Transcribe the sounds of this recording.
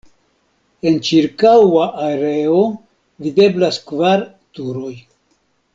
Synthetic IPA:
e̞nt͡ʃiɾkawaʔaeɾeo | vide̞blaskvaɾ | tuɾo̞j

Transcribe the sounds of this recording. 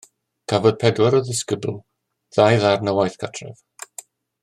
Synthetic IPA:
kʰavɔd̥̚pʰɛdwɛɾɔðɪskəbl̩ˠ | ð̥ajðarnəwajθkʰatʰrɛ̰v

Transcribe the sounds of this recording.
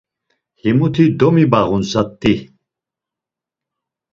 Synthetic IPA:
himut̪ʰid̪ɔmibaʁunzat̪ːi

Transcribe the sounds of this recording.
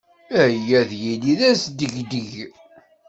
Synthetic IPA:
æjːæðjiliðæsd̪əʝd̪əʝ

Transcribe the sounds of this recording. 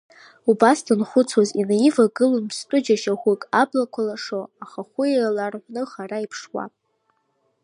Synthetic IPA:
ubasdɨnχʷʊt͡sʰwazinajivaɡɨlonpʰstʷʼʊd͡ʒaʃaχʷʊkʼablakʷʰalaʂoaχaχʷʊjalarħʷnɨχaraipʰʂwa̰pʼ

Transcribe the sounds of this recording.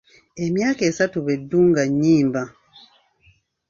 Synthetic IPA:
e̞mjaːke̞ːsatuβe̞dːuːŋɡaɲːiːmba

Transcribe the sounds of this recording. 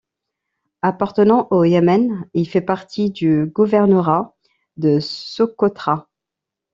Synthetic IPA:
apaʁt̪ənɑ̃ʔojɛmɛnilfɛpaʁt̪ʰid̪yɡuvɛʁnəʁa | d̪əsokɔt̪χa

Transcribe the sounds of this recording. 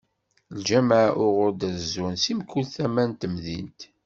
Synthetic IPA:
ld͡ʒæmʕʔʊʁʊɾd̪æzunsimkːulθæmænt̪əmðḭnt̪

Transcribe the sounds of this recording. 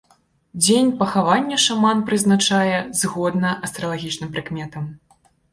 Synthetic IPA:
d͡zʲenʲpɐxavanʲːɛʂamanpɾɨznat͡ʂajɛzɣɔd̪nɐʔɐst̪ɾɐlˠaɣʲit͡ʂnɨmpɾɨkmʲɛt̪ɐm

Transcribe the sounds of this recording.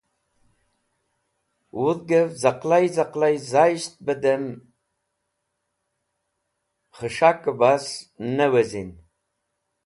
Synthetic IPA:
wuðɡəvzaqlajzaqlajzaʃt̪̚bəd̪əm | χəʃakːəbasnəwezin

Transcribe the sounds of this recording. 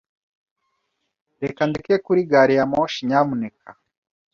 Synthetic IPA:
ɾekand̪ikekuɾiɡaɾijamoʃiɲamunekʰa

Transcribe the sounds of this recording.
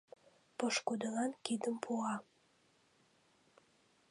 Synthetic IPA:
poʃkud̪əlɑnkid̪əmpʰuɑ

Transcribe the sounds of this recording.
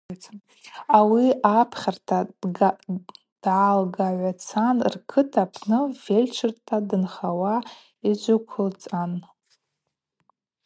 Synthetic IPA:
awiapʰχʲartʰḁ | d̥ʕalɡaʕʷat͡sʰanrkʰɨtʰapʰnɨvelʲt͡ʃʰɨrtʰadɨnχawa | id͡ʒʷʊkʷʰʊlt͡sʼan

